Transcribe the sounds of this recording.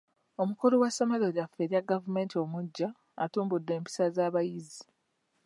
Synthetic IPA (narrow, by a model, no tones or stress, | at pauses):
o̞mukolowasamaloɾafeɾiaɡavume̞ːntio̞muɟːaː | tuːmbudːe̞ːmpi̥sazaːβajizi